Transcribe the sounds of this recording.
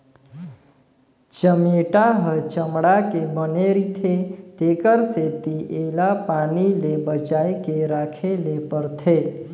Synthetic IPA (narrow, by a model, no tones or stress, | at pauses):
t͡ʃəmeʈaɦət͡ʃəmɽakebəneɾit̪ʰet̪eːkəɾset̪iʔeːlapaːnilebət͡ʃaːekeɾaːkʰelepəɾt̪ʰe